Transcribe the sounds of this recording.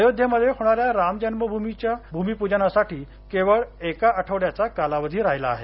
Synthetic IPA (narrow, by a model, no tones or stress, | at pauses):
əjod̪ʱjəməd̪ʱːjeɦoɽ̃aɾjaɾamd͡ʑənməbʱumit͡ɕjabʱumipud͡ʑanasaʈiː | keʋəɭekaəʈʰəʋɽjat͡sakalaʋəd̪ʱiːɾajlaːɦe